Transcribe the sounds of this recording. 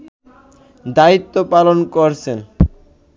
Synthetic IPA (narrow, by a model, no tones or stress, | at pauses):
d̪ait̪ːopalonkoɾt͡ɕʰen